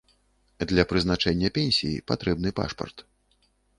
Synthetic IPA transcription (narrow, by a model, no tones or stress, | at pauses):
d̪lʲɐpɾɨzn̪at͡ʂɛnʲːɐpʲɛnʲsʲijḭpat̪ɾɛbn̪ɨpa̰ʂpɐ̰rt̪